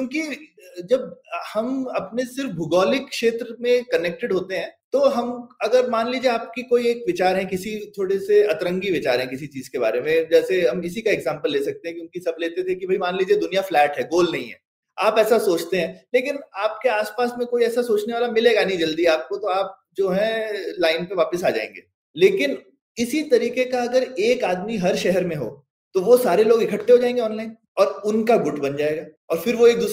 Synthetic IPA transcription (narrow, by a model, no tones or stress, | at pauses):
kjõːkid͡ʒɐbhɐmɐpnesɪɾfbʱʊɡɔːlɪkːʃeːt̪ɾəmẽkɐneːk̚ʈeɖɦoːt̪eɦɛ̃ːt̪oɦɐmɐɡəɾmaːnliːd͡ʒieaːp̚kikoːieːkʋɪt͡ʃaːɾɦɛ̃kɪsit̪ʰoːɽeseɐt̪ɾə̃ŋɡiʋɪt͡ʃaːɾɦɛ̃kɪsit͡ʃiːzkeba̰ːɾemẽd͡ʒɛːseɦɐmɪsikaɛːɡzãːmpəlːeːsɐk̚t̪eɦɛ̃k̬joũːkisɐbleːt̪et̪ʰekibʱɐimaːnliːd͡ʒied̪ʊnijaflɛːʈɦɛɡoːlnɐɦĩɦɛ̰ː | aːpɛːsasoːt͡ʃt̪eɦɛ̃ːleːkɪnaːp̚keaːspaːsmẽkoːiɛːsasoːt͡ʃneʋaːlamɪleːɡanɐɦĩd͡ʒɐld̪iaːp̚kot̪oaːp̚ | d͡ʒoːɦɛlaːɪnpeʋaːpəsaːd͡ʒa̰ːḛ̃ŋɡḛː | leːkɪn | ɪsit̪ɐɾiːkekaɐɡəɾeːkaːd̪miɦɐɾʃɛɦɛɾmẽɦo̰ː | t̪oʋosaːɾeloːɡɪkʰəʈːeɦod͡ʒaːẽːŋɡeɔːnlaːɪn | ɔːɾʊnkaɡʊʈʰbɐnd͡ʒaːeːɡaː | ɔːɾfɪɾʋoeːk̚d̪uː